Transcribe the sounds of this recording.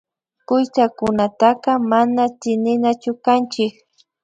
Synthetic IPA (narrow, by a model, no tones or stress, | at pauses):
kʊjsakʊnat̪aqɑmanat̪ɪnɪnat͡ʃʊkant͡ʃɪk